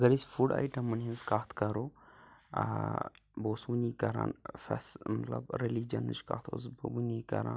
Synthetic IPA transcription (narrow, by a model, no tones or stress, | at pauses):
ɐɡɐɾisʲfuɖa̰jʈɐmːɨnɦinzkaːt̪ʰkɐɾoː | boːsunikɐɾã̰ːnfɛ̰smɐt̪lɐ̰bɾelid͡ʒɐnɨ̰ʃka̰ːt̪ʰo̰zbbunikɐ̰ɾã̰n